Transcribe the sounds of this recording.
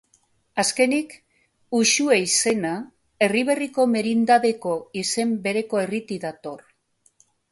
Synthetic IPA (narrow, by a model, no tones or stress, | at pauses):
aske̞nik | uʃueise̞na | e̞riβ̞e̞riko̞me̞ɾind̪aðe̞ko̞ise̞mbe̞ɾe̞ko̞e̞rit̪iðat̪o̞r